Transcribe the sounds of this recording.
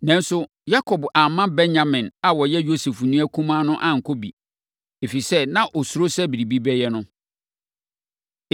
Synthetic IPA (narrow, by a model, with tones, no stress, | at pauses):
nã˦n̩˦sʊ˦ | ja˦kʰɔ˨ba˨mã˦bɛ̃˦nɲa˨mɪ̃˨na˨wɔ˨jɛ˦jo˦se˨fnũ˦æ˦kʰũ˦mã˦nʊ̃˦ʔã˦ŋ̩˨kʰo˦bi˨ | e˨fi˨sɛ˦nã˦ʔɔ˨su˦ɾo˦sɛ˦bi˨ɾi˨bi˦bɛ˦jɛ˦nʊ̃˦